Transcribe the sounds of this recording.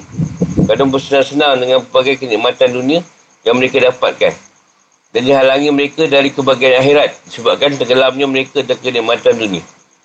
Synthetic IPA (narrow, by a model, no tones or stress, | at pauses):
kadaŋpəsənaŋsənãŋdəŋanpəbaɡajkəniʔmãt̪andunĩa | danməɾekadapa̰t̪̚kan | dandiɦalaŋĩməɾekadaɾikəbaɡaanaxeɾat̪̚disəbap̚kant̪əɡəlap̚ɲãməɾekadalkənĩʔmãt̪andunĩa